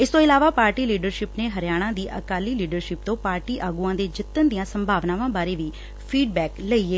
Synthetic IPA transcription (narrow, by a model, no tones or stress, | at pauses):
ɪst̪õːɪlaːʋaːpaːɾʈiːliːɖəɾʃɪpneːɦəɾjaːɽ̃ãːd̪iːʔəkaːliːliːɖəɾʃɪp̚t̪õːpaːɾʈiːʔaːɡuːãːd̪eːd͡ʒɪt̪ːənd̪ijãːsəmbʱaːʋnãːʋãːbaːɾeːʋiː | pʰiːɖbɛːkləiːeː